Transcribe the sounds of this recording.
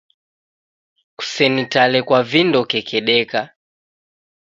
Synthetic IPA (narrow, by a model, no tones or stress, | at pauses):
ku̥sɛnitalɛkwavindɔkɛkʰɛɗɛka